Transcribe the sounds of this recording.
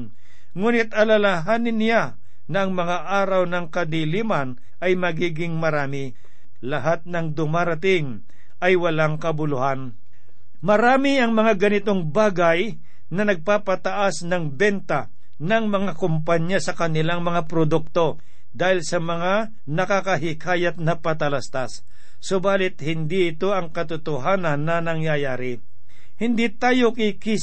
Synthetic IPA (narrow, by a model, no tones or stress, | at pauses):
n | ŋuːnɪt̪̚ʔɐlalaɦaːnɪnːɪja | nɐʔɐŋmɐŋaʔaːɾɐwnɐŋkɐd̪iliːmɐn | ɐjmɐɡiːɡɪŋmɐɾaːmɪ | lɐɦat̪̚nɐŋd̪ʊmaːɾɐt̪̬ɪŋ | ʔɐjwɐlaŋkɐbʊlʊhan | mɐɾaːmɪɐŋmɐŋaɡɐnɪt̪o̞ŋbaːɡɐj | nɐnɐɡ̚paːpɐt̪ɐʔasnɐŋbɛnt̪a | nɐŋmɐŋakʊmpaɲasɐkɐnɪlaŋmɐŋapɾod̪ʊk̚t̪o̞ | d̪aːhɪlsɐmɐŋa | nɐkakɐɦɪkʰaːjɐt̪̚nɐpɐt̪ɐlast̪asː | obaːlɪt̪̚hɪnd̪iɪt̪o̞ɐŋkɐt̪ʊt̪ʊɦaːnɐnːɐnɐŋjajaːɾɪ | hɪnd̪it̪aːjokɪki